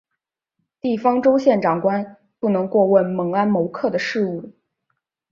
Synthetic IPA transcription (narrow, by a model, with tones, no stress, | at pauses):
t̪i˥˩fɑ˥ŋʈ͡ʂo˥ʊɕjɛ˥˩nʈ͡ʂɑ˨˩ŋkwa˥n | pu˥˩nɤ˧˥ŋkwɔ˥˧wə˥˩nmɤ˧˥ŋa˥nmo˧˥ʊkʰɤ˥˩d̪ə˩ʂɻ̩˥˧u˥˩